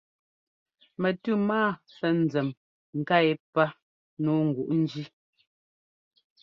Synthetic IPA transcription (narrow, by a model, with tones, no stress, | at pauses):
mɛ˨tʉ˦˨maː˦˨ | sɛ˨n̩˨d͡zɛ˨m | ŋ̩˨ka˦˨e˦pa˦ | nuː˦ŋ̩˨ɡwu˨ʔn̩˦d͡ʒi˦